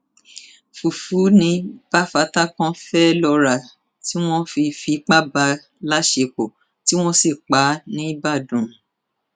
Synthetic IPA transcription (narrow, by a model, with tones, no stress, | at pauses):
fu˨fu˨˦nĩ˧b̥a˦fa˧ta˦kã˦fɛ˦lɔ˧ɾa˨ | ti˦w̃ɔ̃˦fi˧fi˧˦k͡pa˦ba˧ | la˦ʃe˧k͡po˨ | ti˦w̃ɔ̃˦si˦˨k͡pa˨˦nĩ˨˦ba˦˨dũ˨